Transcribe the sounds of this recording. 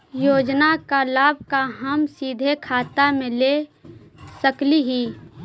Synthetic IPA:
joːd͡ʒnakalaːb̚ʱkaɦɐmsiːd̪ʱekʰaːt̪amẽle | səkliɦiː

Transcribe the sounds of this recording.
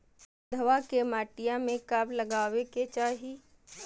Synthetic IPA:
d̪ʱɐʋakemaːʈijãmẽkablɐɡaːweket͡ʃaːɦi

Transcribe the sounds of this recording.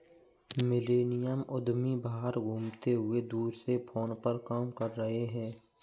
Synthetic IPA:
mɪleːnɪjəmʔʊd̪mibaːɦːɦəɾɡʱũːmt̪eɦʊed̪uːɾsepʰoːnpəɾkaːmkɐɾːɐɦeɦɛ̃ː

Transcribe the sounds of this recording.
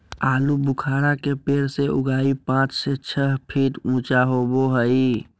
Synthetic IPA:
aːlubʊkʰaːɾakepeːɾseʔʊɡaːipãːt͡ʃset͡ʃʰəɦpʰiʈũːt͡ʃaɦoboɦəi

